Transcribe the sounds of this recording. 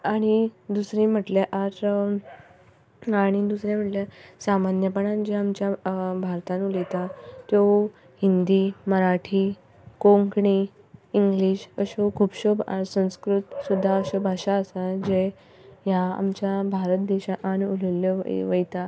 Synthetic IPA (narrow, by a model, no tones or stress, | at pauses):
aɽ̃id̪usɾĩm̤əʈlaʔaɾ | aɽ̃id̪usɾẽm̤əʈljasamanjəpəɳand͡ʑeamt͡ɕjabʱaɾt̪ãnulet̪at̪jo | hind̪iməɾaʈʰiː | koŋkɳiː | ŋɡliɕəɕokʰupɕobsə̃w̃skɾut̪sud̪ʱːaəɕɔbʱaɕaəsad͡ʑe | jaa̰mt͡ɕjabʱaɾət̪̚d̪eɕaʔanululə̰ʋəjt̪a